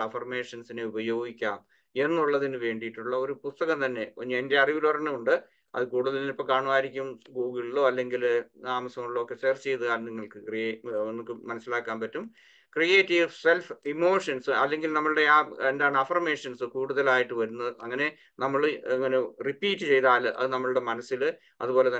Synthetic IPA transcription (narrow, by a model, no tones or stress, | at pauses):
ɐfɐrme̞ːʂɐnsineubɐjo̞ːɡikʲːaːm | e̞nːuɭːɐðinɨʋe̞ːɳɖijiʈːuɭːɐo̞ɾupust̪ɐɣɐmt̪ɐnːe̞oɲːende̞ɐriʋulorɐnɨuɳɖɨ | ɐ̰ðɨkuːɽuðɐlinipːokaːɳʋaːɾikʲːumɡuːɡiɭːo̞ːɐlːe̞ŋɡilaːmɐsɐmuɭːɐokːe̞seːrt͡ɕe̞jt̪ɨkaːlniŋːɐɭkɨkrienːokːɨmɐnɐsːilaːkːaːnpɐtːum | krijeːtːiʋse̞lfimo̞ːʂɐnsɨɐ̰lːe̞ŋɡilnɐmːɐɭɨɽe̞end̪aːɳɨɐfɐrmeːʂɐnsɨkuːɽuðɐlaːjiʈːɨʋɐɾunːɐðɨʔɐŋːɐne̞ | nɐmːɐɭɐŋːɐne̞ripːiːtːɨt͡ɕe̞jt̪aːlʔɐ̰ðɨnɐmːɐɭɨɽe̞mɐnɐsːil | ɐ̰ðubo̞ːle̞t̪ɐ